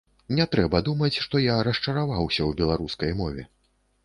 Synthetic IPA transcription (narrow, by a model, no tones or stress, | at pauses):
nʲɛt̪ɾɛbɐd̪umɐt͡sʲʂt̪ɔjaɾɐst͡ʂɐɾavawsʲɐwbʲɛlˠaɾuskɐjmɔvʲɛ̰